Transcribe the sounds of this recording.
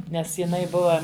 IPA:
ˈnʲɛs jɪˈnɐɪ ˈbʊʋɐ

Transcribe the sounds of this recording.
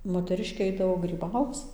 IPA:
moːtʲɛˈrʲɪʃʲkʲeː ˈɐɪdɐʋoː ɡrʲiːˈbɐʊt͡s

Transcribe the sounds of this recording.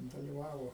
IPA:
dɐlʲɪˈʋɑːʋoː

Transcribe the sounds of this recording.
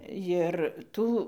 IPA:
jɪr ˈtuː

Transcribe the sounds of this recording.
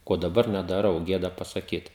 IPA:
ˈkoː dɐˈbɐr nʲɛdɐˈrɐʊ ˈɡʲeːdɐ pɐsɐˈkʲiːt

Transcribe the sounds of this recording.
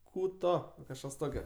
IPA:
ˈkuː ˈtoː kɐʃˈkɐs ˈtoːkʲoː

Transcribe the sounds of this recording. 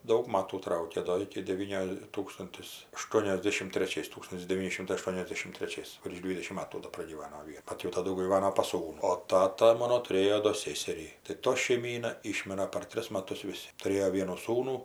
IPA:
ˈdɐʊk ˈmɑːtuː ˈtrɐʊkʲeː ˈdoː ˈɪkʲɪ dʲɛˈʋʲiːnʲoː ˈtuːkstʊnʲtʲɪs ɐˈʃtuɔnʲɛzʲdʲɛʃʲɪm tʲrʲɛˈt͡ʃʲɛɪs ˈtuːkstʊnʲtʲɪs dʲɛˈʋʲiːnʲɪ ˈʃʲɪmtɐɪ ɐˈʃtuɔnʲɛzʲdʲɛʃʲɪm tʲrʲɛˈt͡ʃʲɛɪs ʋʲɪrʃ ˈdʲʋʲiːdʲɛʃʲɪm ˈmɑːtuː doː prɐɡʲiːˈʋɑːnoː ˈʋʲiɛ ˈbɐt jɛʊ tɐˈdʊ ɡʲiːˈʋɑːnoː pɐs ˈsuːnʊ oː ˈtɑːtɐ ˈmoːnoː tʊˈrʲeːjoː doː ˈsʲeːsʲɛrʲiː tɐɪ ˈtoː ʃʲɛɪˈmʲiːnɐ ˈiːʃʲmʲɪrɐ pɐr ˈtʲrʲɪs mɐˈtʊs ʋʲɪˈsʲɪ tʊˈrʲeːjoː ˈʋʲiɛnuː ˈsuːnuː

